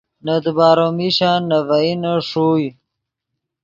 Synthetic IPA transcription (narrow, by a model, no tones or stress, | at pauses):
nɐd̪baːɾomiɕãːnɐvainoʂuj